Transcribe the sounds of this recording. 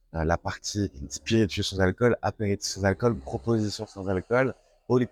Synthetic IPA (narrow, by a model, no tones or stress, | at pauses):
lapaʁt̪ʰid̪piʁet̪isɑ̃zalkɔla̰peʁet̪sɛ̃zalkɔlpχɔpozisjɔ̃sɑ̃zalkɔl | oli